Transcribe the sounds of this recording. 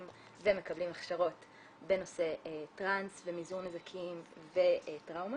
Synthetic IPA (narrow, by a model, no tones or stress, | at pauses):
m | veme̞kɐblimaχʃaʁo̞t | be̞no̞se̞tʁansvemizuʁnezakʰimve̞tʁawma